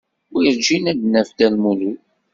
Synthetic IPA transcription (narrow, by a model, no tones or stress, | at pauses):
ʊɾiɾd͡ʒinæd̪nːæfd̪ælmulu